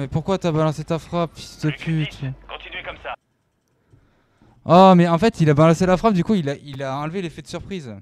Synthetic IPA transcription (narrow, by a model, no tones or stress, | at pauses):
mɛpuʁkwat̪yabalɑ̃set̪afχapsi̥t̪y̥t̪əpʰyt̪kɔ̃t̪inɥɛkɔmsa | ɔmɛɑ̃fɛt̪ilabalɑ̃selafχap̚d̪ykuilaʔilaɑ̃lvelefɛd̪əsyʁpχiz